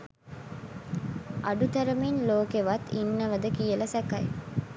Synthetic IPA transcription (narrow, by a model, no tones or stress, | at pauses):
ʔɐɖut̪ɐɾɐminloːkeʋɐt̪ːinːɐʋɐd̪əkijəlɐsɛkɐj